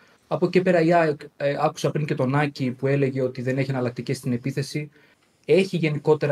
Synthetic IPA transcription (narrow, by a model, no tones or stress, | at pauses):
ɐpo̞cipe̞ɾɐiɐkɐku̥sɐpɾiɲce̞t̪o̞nɐcipue̞le̞ʝe̞o̞t̪iðe̞ne̞çiɐnɐlɐk̚t̪icest̪ine̞piθe̞si | e̞çiʝe̞niko̞t̪e̞ɾ